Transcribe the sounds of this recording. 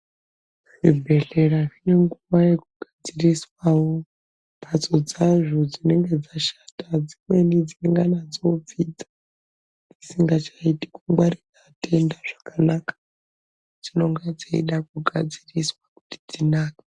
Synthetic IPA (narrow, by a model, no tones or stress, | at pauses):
ʐibʱe̞ɮe̞raʐine̞ŋɡuʋaje̞kuɡ̥ʱad͡ziriswawo | pʰat͡so̞d͡zaʐod͡zine̞ŋɡe̞d͡zaʃatad͡zimwe̞nid͡zineŋɡanad͡zo̞b͡vid͡za | d͡zisiŋɡat͡ʃaiti̥kuŋɡwaɾisate̞ndaʐakanakḁ | d͡zino̞ŋɡed͡zaḭɗak̚uɡʱad͡ziriswaku̥ti̥d͡zinaːkḁ